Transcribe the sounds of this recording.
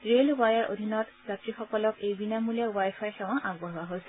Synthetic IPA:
ɹelwajaɹo̰d̪ʱinɔtb̥jatɹixɔkɔlɔkejbinamuliawajpʰajxɛw̃ãʔaɡbɔɦɔwaɦojsɛ

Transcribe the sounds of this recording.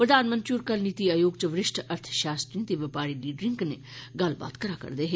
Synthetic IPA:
pɾəd̪ʱaːnmə̃nt̪ɾuːɾkɐlnit̪iaːjoːɡt͡ʃəʋɾɪʃʈʰɐɾt̪ʰʃaːst̪ɾint̪eʋɪpaːɾiliːɖɾɪŋkne | ɡɐlba̰ːt̪kɐɾaːkɐ̰ɾd̪eɦeː

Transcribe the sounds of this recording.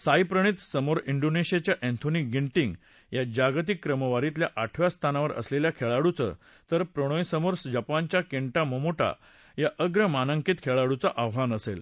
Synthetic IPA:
sajpɾəɽ̃it̪səmoɾiɳɖoneɕijat͡ɕjaʔẽnt̪ʰonikɡiɳʈiŋɡ | jad͡ʑaɡt̪̬ikːɾəməʋaɾit̪̬ljaʔaʈʰʋjast̪ʰanaʋəɾə̰sleljakʰeɭaɽut͡sə̰ | t̪əɾpɾəɽ̃õjsəmoɾsd͡ʑapant͡ɕjakeɳʈaməmoʈa̰ | jaʔəɡɾəmanəŋkit̪kʰeɭaɽut͡saʔawʋanəsel

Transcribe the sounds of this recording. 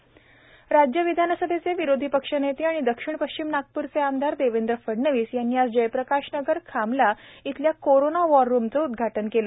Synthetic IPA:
ɾad͡ʑjəʋid̪ʱanasəd̪ʱet͡seʋiɾod̪ʱipəkʂənet̪eaɽ̃id̪əkʂiɳpəɕt͡ɕimnak̚puɾt͡seand̪ʱaɾd̪eʋend̪ɾəfəɽnəʋiːsjanːiːat͡sd͡ʑəjpɾəkaʂnəɡəɾkʰamlait̪ljakoɾonaʋɔɾːumt͡səud̪ɡʱaʈənkelə

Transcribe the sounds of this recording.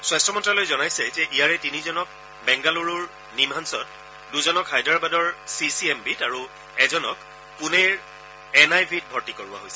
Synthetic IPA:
swastɔmɔntɹalojzɔnajsɛzɛʔijaɹɛtinizɔnɔk̚ | bɛŋɡaluɹuɹ | nimansɔt | duzɔnɔkhajdaɹbadɔɹsisiɛmbitaɹu | ɛzɔnɔk | punɛɹ | ɛnajbʱit̚bʱɔɹtikoɹua̰ɦojsɛ̥

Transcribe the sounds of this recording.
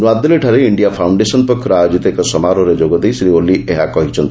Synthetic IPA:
nuad̪ːeleʈʰaɾeiɳɖijapʰawɳɖesɔnpɔkʰjɔɾajod͡ʒit̪ɔekɔsɔmaɾɔɾed͡ʒoɡɔd̪ejsɾioliʔeɦakɔɦit͡ʃʰɔnt̪

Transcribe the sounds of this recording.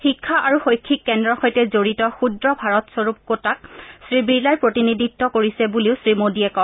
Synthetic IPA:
xikʰːaʔaɹuxojkʰːikːɛndɹɔxɔjtɛzoɹitɔxudɹɔbʱaɹɔtsɔɹup̚kotak̚sɹibiɹlaɹpɹotiniditːɔkoɹisɛbuliʊsɹimodiɛkɔ

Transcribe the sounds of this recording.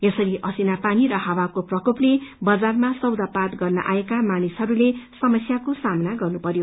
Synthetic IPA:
jʌsʌɾiʔʌsinapaniɾʌɦʌwakoprʌkoplebʌd͡zarmasʌwd̪apat̪ɡʌrnʌ̰ʔa̰ekamanisɦʌɾulesʌmʌsjakosamnaɡʌrnupʌɾjo

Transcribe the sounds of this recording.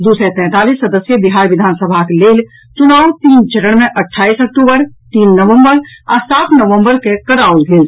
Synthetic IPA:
d̪uːsɾɛ̃ːt̪ɛ̃ːt̪aːlisːəd̪əsjəbiɦaːɾʋɪd̪ʱaːnsəbʱakeleːl | t͡ʃunaːut̪iːnt͡ʃəɾəɽmẽʔəʈʰːaːisək̚ʈubəɾt̪iːnːəʋə̃mbəɾa̰saːt̪ʰnəʋə̃mbəɾkekəɾaulɡeːl

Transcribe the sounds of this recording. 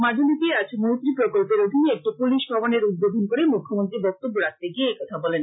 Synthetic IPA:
mad͡ʒʱolik̪eat͡ɕʰnowt̪ɾipɾokolpeɾob̪ʱineɛk̚ʈipuliʃbʱabaneɾud̪̚bod̪ʱonkoɾemukʰːomont̪ɾibɔk̚t̪obːoɾak̚t̪eɡieekɔt̪ʰabɔlen

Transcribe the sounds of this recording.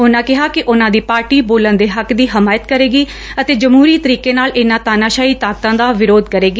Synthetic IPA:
ɦʊnãːkɪɦaːkɪʔʊnãːd̪iːpaːɾʈiːboːlənd̪eːɦəkd̪iːɦɪmaːjət̪kəɾeːɡiː | ət̪eːd͡ʒəmɦuːɾiːt̪əɾiːkeːnaːlɪnãːt̪aːnaːʃaːiːt̪aːk̚t̪ãːd̪aːʋɪɾoːd̪kəɾeːɡiː

